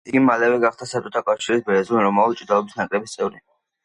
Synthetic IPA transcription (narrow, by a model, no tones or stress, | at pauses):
iɡimalɛvɛɡaχd̪asat͡ʃʼɔt̪ʰakʼafʃiɾisbɛɾɛzunɾɔmault͡ʃʼd̪alɔbisnakʼlɛbist̪sʼɛvɾi